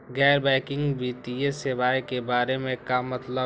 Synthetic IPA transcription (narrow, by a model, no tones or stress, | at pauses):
ɡɛːɾbɛːkɪ̃ŋɡbiːt̪iesɪʋaːekebaːɾemẽkamɐt̪lə